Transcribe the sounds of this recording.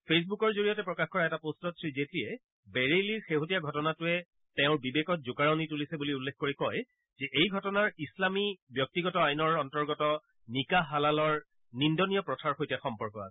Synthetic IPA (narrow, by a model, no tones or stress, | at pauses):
pʰes̬bukɔɹzoɹijɔtɛpɹɔkaxkɔɹaɛtapostɔtʰɹizetiɛ | beɹeliɹxeɦotijaɡʱɔtɔnatʊɛ | tɛʊ̃ɹbibekɔt̚zʊkaɹɔnitulisɛbuliulːekʰkoɹikɔj | zɛʔejɡʱɔtɔnaɹislamibjɔk̚tiɡɔtɔajnɔɹɔntɔɹɡɔtɔ | nikaɦalalɔɹ | nindɔnijɔpɹɔtʰaɹxojtaxɔmpɔɹkɔa̰sɛ